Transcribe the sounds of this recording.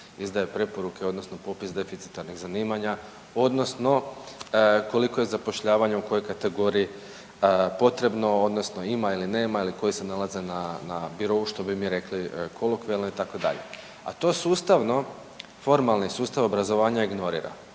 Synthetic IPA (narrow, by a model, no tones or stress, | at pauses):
izd̪ajepɾe̞po̞ɾuke̞o̞d̪no̞sno̞po̞pisd̪e̞fit̪si̥t̪aɾniɣzaniːmaɲa | o̞d̪no̞sno̞ | ko̞liko̞je̞zapo̞ʃʎaːʋaɲeuko̞jojkat̪e̞ɡo̞ːɾii | po̞t̪ɾe̞bno̞o̞d̪no̞sno̞imailine̞ːmailiko̞jise̞nalˠaze̞nanabiɾo̞uʃt̪o̞bimiɾe̞klikʰo̞lˠokʋielˠno̞it̪ako̞d̪a̰ʎe̞̰ | a̰t̪o̞suːst̪aʋno̞ | fo̞ɾmalnisuːst̪aʋobɾazo̞ʋaːɲaiɡno̞ɾḭːɾa̰